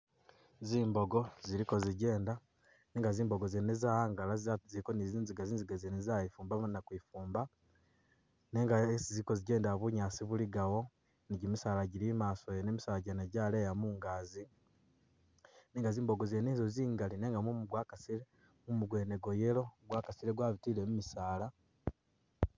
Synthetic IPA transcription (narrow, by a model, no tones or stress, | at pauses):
ziːmbo̞ɡo̞ziɾiko̞ziɟe̞ːnda | neŋɡaziːmbo̞ɡozenezaaːŋɡalazzikoniziːnziɡaziːnziɡazenizajifuːmbamnakwifuːmba | neŋɡaesiziko̞ziɟe̞ːndaβuɲaːsiβuliɡawo̞ | niɟimisaːlaɟiɾimaːsojenemisaːlaɟeneɟaleːjamuːŋɡazi | neːŋɡaziːmboɡo̞zenizoziːŋɡalineːŋɡamumuɡwaːkasile | mumuɡwe̞ːne̞ɡo̞je̞lo̞ɡwaːkasiɾeɡwaːβitiːlemumisaːla